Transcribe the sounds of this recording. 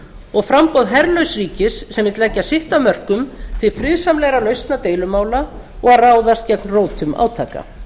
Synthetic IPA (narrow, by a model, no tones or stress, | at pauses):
ɔɣfɾampɔwðɦɛɾlœɥsriːcɪsːɛmɪt̪lɛcːasɪht̪amœr̥kʏmθvɪfɾɪðsamlɛɣɾalœɥst̪nat̪eːjlʏmaːwla | ɔɣaraːwðast̪cɛknroːwt̪ʰʏmʔa̰ːwt̪ʰa̰ːka̰